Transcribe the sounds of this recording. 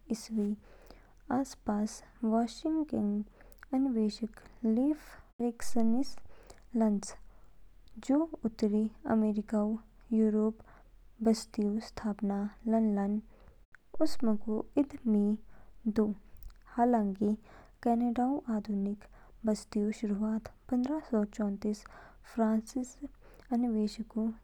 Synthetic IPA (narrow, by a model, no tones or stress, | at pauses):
ɪsʋi | aːspaːsʋaːʃɪŋkəŋɡ | ɐnɪʋeːʃəkliːfɾeksənis | lɐns | d͡ʒoːʊt̪ɾiɐ̰meːɾɪkao | juːɾoːp | bɐst̪iost̪ʰaːpnalɐnlən | ʊsmẽkoɪd̪mid̪oːhaːlãːŋki | kɛːneːɖaːõʔaːd̪ʱunɪk | bɐst̪ijoʃʊɾuaːt̪pɐ̃nd̪ɾasɔːt͡ʃɔ̃ːnt̪iːs | pʰɾãːnsɪs | ɐnɪʋeːʃəku